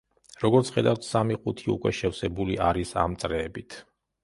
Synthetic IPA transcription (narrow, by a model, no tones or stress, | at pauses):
ɾɔɡɔɾt̪sʰχɛd̪awt̪ʰsamiqʼut̪ʰiṵkʼwɛʃɛfsɛbuliʔaɾisa̰mt̪sʼɾɛːbit̪ʰ